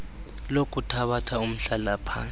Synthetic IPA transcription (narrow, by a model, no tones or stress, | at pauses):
lokʼutʰaɓatʰaum̩ɬalapʰa̰ːn